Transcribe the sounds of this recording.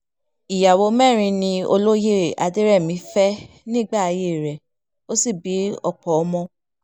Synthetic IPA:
i˨ja˨wo˧˦mɛ̃˦˨ɾ̃ĩ˧nĩ˧o̰˧lo˦je˦˨a˧de˦ɾɛ˦˨mĩ˨˦fɛ˦ | nĩː˦ɡ͡ba˦˨a˧je˦˨ɾɛ˨ | o˦si˦˨bi˨˦ɔ̰˧˨k͡pɔ˨ɔ˦mɔ̃˧

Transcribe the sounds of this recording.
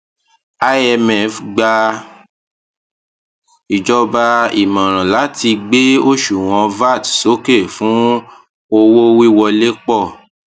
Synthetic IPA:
a˧ɛ˧mɛ˦˨fɡ͡ba˧ | i˨d͡ʒɔ˧ba˧ḭ˨mã˨ɾ̃ã˨la˨˦tʰi˧ɡ͡be˦o˦ʃu˨w̃ɔ̃˧va˦˨tso˨˦ke˦˨fũ˦ | o˧wo˦wi˦wɔ˧le˦k͡pɔ˦˨

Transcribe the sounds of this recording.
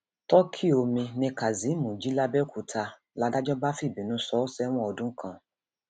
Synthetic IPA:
tɔ˦kʰi˦o˧mĩ˧nĩ˧ka˨zi˨˦mũ˨d͡ʒi˦la˦bɛ˦kʰu˨tʰa˧ | la˨˧˦da˦d͡ʒɔ˦ba˦fi˦˨bi˨nũ˨˦sɔ˦sɛ˦w̃ɔ̃˦ɔ˧dũ˦kʰã˦˨

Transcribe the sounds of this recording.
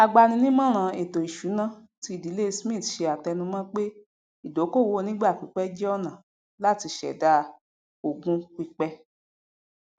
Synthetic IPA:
a˧ɡ͡ba˧nĩ˧nĩ˦mã˦ɾ̃ã˧˨e˨to˨i˨ʃu˨˦nã˦˨ | ti˧i˦˨di˨˦le˦˧smĩ˦˨tʃe˧a˨tɛ˧nũ˧mã˦k͡pe˦ | i˦˨do˨˦ko˦˨wo˧nĩ˦ɡ͡ba˦˨k͡pi˨˦k͡pɛ˦d͡ʒɛ˦ɔ˦˨nã˨ | la˦ti˧ʃɛ̰˨da˦ | o˨ɡũ˧k͡pi˧k͡pɛ˧

